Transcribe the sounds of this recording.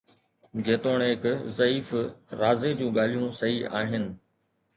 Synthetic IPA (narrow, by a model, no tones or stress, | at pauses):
d͡ʑeːt̪oːɽ̃ɦɪkzɐiːfɾaːzed͡ʑũːɠaːl̤ijũsɐɦiʔa̰ːɦɪnɪ̆